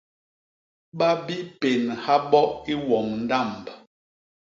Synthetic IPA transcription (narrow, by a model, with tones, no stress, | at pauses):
ɓa˦bi˦pe˨nha˦ɓɔ˦i˦wɔ˨ŋn̩˨da˦˨mb